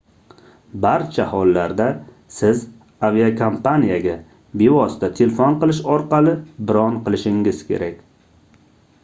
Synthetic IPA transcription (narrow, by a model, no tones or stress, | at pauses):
baɾt͡ʃʰahɒlˠːaɾd̪a | sɪz | aviakʰompʰanijaɡʲa | be̞vɒst̪at̪ʰelfɒnqɨlˠɪʃɒɾqɑlˠɪbɪɾɒnqɨlˠɪʃɪŋɪz̥kʲʰe̞̰ɾakʲ